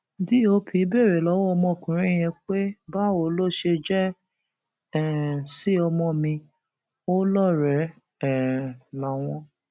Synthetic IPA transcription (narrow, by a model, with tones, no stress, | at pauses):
di˦o˧pʰĩ˧˦be˦˨ɾe˨lɔ˨˦wɔ˦ɔ˧mɔ̃˧˨kũ˨ɾ̃ĩ˦j̃ɛ̃˧k͡pe˦ba˦o˨lo˦ʃe˧d͡ʒɛ˦ | ɛ˨si˦ɔ˧mɔ̃˧mĩ˧ | o˦lɔ˦˨ɾɛ˨˦ | ɛ˦˨la˨˦w̃ɔ̃˧